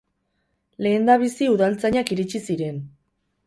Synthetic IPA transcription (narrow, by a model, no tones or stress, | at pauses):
le̞ːnd̪aβ̞isiuðalt͡saɲakiɾit͡ʃisiɾe̞n